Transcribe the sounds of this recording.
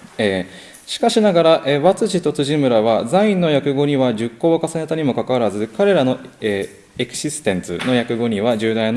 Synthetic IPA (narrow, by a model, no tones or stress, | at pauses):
eː | ɕi̥kaɕinaɡaɾaʔeːβat͡sɨʑit̪o̞t͡sɨʑimɯ̟ɾaβ̞azaĩnːo̞jakɯ̟ɡo̞ɲiβad͡ʑɨkːo̞ːkasane̞t̪aɲ̟imo̞kakaβaɾazɨkaɾe̞ɾano̞e | ekɯ̟̥ɕisɨ̥t̪ẽ̞nt͡sɨ̰no̞jakɯ̟ɡo̞ɲ̟ʲiβad͡ʑɨːd̪an